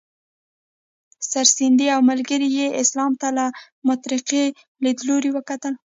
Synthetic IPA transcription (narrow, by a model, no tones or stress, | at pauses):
saɾsɪnd̪iawmalɡəɾijeʔɪslɑmt̪ala | mʊt̪ɾɪqe | led̪loɾiwəkat̪əl